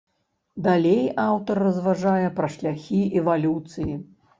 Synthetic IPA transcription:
d̪alʲejawt̪ɐrːɐzvaʐajɛpɾɐʂlʲaxʲiɛvalʲut̪sɨji

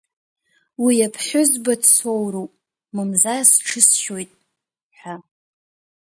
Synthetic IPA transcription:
wijapʰħʲʷᶣʊzbadsowrowpʼ | mɨmzasʈ͡ʂʰɨsʃo̞jtʼ | ħʷᶣa

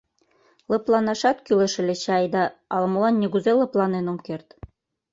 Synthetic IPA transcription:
lˠɤ̆plˠɑnɑʃɑt̪kylĕʃɘ̆lʲĕɕɑjd̪ɑɑlmŏlɑnːʲeɣuzelɤ̆plˠɑnenomkert̪

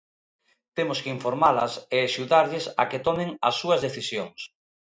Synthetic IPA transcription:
t̪emʊskeiɱfoɾmalɐ̰seaʃuðaɾʎɪsa̰ket̪ɔmɪ̃ŋɐsːuɐzðeθisjoŋs

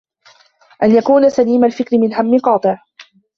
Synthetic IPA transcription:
ʔanjakuːnasaliːmalfɪkɾɪmɪnɦamːɪqɑːt̪ˤɨʕ

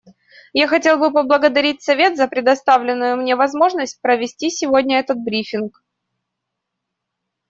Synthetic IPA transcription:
jaxɐtʲe̞lˠbɨpəblˠəɡəd̪ɐɾʲit̚ʲsɐvʲe̞t̪zəpɾʲɪd̪ɐst̪avlʲɪnːʊjʊmnʲevɐzmo̞ʐnəsʲt̚ʲpɾəvʲɪsʲtʲisʲɪvodʲnʲəɛt̪ət̪̚bɾʲifʲɪnk

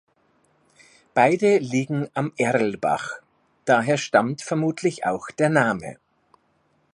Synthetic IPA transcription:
b̥aɪdəliːɡŋ̩ʔamʔɛʁl̩ba̰χ | d̥aːɦeːɐʃtamtfɛɐmuːtʰlɪça̰ʊxd̥eːɐnaːmə̰

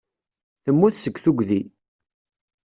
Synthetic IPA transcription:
θəmːuθsəkʷːθuɡʷði

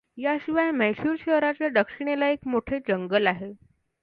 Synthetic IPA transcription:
jaɕiʋajmɛɕuːɾɕeɦɾat͡ɕjaɖ̪əkʂiɽ̃elaekmoʈʰed͡zəŋɡəlaɦe

